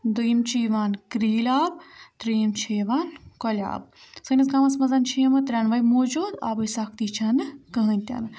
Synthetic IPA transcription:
d̪əjmt͡ʃiʋaːnkɾiːlaːb̚t̪ɾiːmt͡ʃʰiːʋaːnkɔlʲa̰ːb̚sənɐzkamɐsmɐzant͡ʃʰimɐt̪ɾʲaːnʋaːjmoːd͡ʒuːd̪a̰ːbɨjsak̚ʰt̪it͡ʃʰɐnɨkəɦənʲt̪ʲa̰n

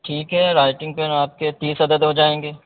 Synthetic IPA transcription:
ʈʰiːkɦɛɾaːɪʈɪ̃ŋɡ̚pəɾaːp̚ket̪iːsɐd̪əd̪ɦod͡ʒaːẽːŋɡeː

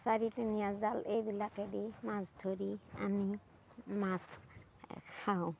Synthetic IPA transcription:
saɹitinijazalejbilakedimãzdʱoɾia̰mi | mas | kʰaʊ̃

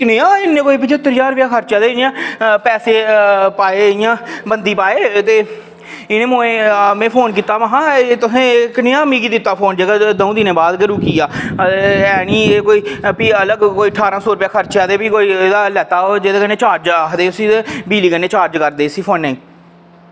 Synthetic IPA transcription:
knẽːãːɪnːẽːkoːiːpit͡ʃət̪ːəɾd͡ʒaːɾʊpɪjaːkʰəɾt͡ʃjãːd̪eːɪnɪãːpɛːseːpaːeːɪjãːbənd̪iːpaːeːt̪eː | ɪñẽːmoːẽːmɛ̃ːpʰoːnkiːt̪aːʋãɦãːt̪ʊsẽːknɪjãːmiːɡiːd̪ɪt̪ːaːpʰoːnd͡ʒeːɡaːd̪oũːd̪ɪnẽːbaːd̪ɡəɾuːkiːaː | ɛːniːeːkoːiːpiːələɡkoːiːəʈʰaːɾãːsoːɾʊpjaːkʰəɾt͡ʃjãːd̪eːpiːkoːiːd̪aːlɛːt̪aːod͡ʒeːd̪eːkəneːt͡ʃaːɾd͡ʒakd̪eːʊsĩːebiːliːkəneːt͡ʃaːɾd͡ʒkəɾd̪eːsiːpʰoːnːeĩː

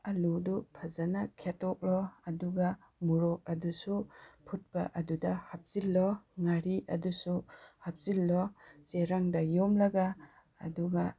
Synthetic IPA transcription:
ɐludupʰazanakʰetɔk̚lɔɐduɡa | muɾɔk̚ɐdusupʰut̚pa̰ʔɐdudahap̚zilːɔŋaɾiʔɐ̰dusuhap̚zilːɔseɾaŋdɐjɔmlɐɡa̰ː | duɡa

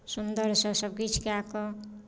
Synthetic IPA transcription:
sund̪ʌɾsʌsʌb̚ɡit͡ʃʰkeakɔ

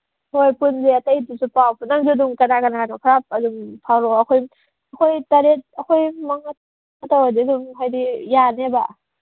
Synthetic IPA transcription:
hojpunzeatajtusupawpʰunaŋzuduŋkanakanakanɔkʰɾap̚azuŋpʰawɾɔakʰoj | kʰojtaɾet̚akʰojmaŋat | ŋatawadizumɦajdijaneba

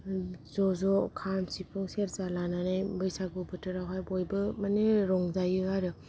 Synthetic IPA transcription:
zɔzɔkʰamsipʰuŋseɾzalananajbɯjsaɡubɯtɯɾawɦajbɔjbɯmaneɾɔŋzajɯaɾɯ

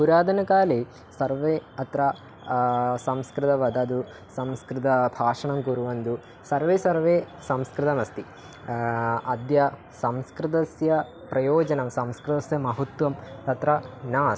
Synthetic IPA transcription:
puɾaːd̪ʱɐnɐkaːle | sɐɾʋeːɐt̪ɾɐ | sɐmskɾɪt̪ɐʋɐd̪ɐːd̪u | sɐmskɾɪt̪ɐbʱaːʂɐɳɐmkuɾuʋɐnd̪u | sɐɾʋeːsɐɾʋeː | sɐmskɾɪt̪ɐmɐst̪i | ɐd̪jɐ | sɐmskɾɪt̪̬ɐsjɐ | pɾɐjɔːd͡ʒɐnɐmsɐmskɾɪt̪ɐsjɐmɐɦɐt̪ʋɐmt̪ɐt̪ɾɐnaːs

